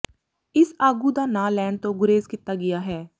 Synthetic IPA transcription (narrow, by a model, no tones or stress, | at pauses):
ɪsaːɡuːd̪aːnãːlɛːɳɖ̚t̪õːɡʊɾeːzkɪt̪ːaːɡɪjaːɦɛː